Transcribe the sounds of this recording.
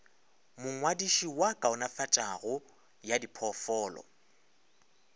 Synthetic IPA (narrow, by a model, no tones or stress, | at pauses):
mʊŋwadiʃiwakʼaʊnafat͡ʃʼaɣʊ | jadipʰɔfɔːlɔ̰